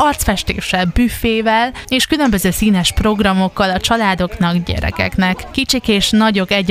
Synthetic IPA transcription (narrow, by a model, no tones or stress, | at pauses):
ɒrt̪sfɛʃt̪ḛːʃːɛlbyːfeːvɛleːʃkylø̞mbø̞zøːsiːnɛʃpro̞ɡrɒmo̞kːɒlɒt͡ʃɒlaːd̪o̞knɒɡɟɛ̰ɾɛ̰kɛ̰knɛkːit͡ʃikeːʃnɒɟo̞ɡɛɟ